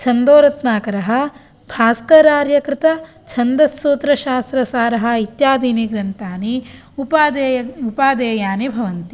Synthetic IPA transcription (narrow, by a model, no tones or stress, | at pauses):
t͡ʃʰɐnd̪oːɾɐt̪naːkɐɾɐɦɐ̆ | bʱaːskɐɾaːɾjɐkɾɪt̪ɐ | t͡ʃʰɐnd̪ɐsːuːt̪ɾɐʃaːst̪ɾɐsaːɾɐɦɐ̆it̪jaːd̪iːniɡɾɐnt̪aːni | upaːd̪ejɐupaːd̪eːjaːnebʱɐʋɐnt̪i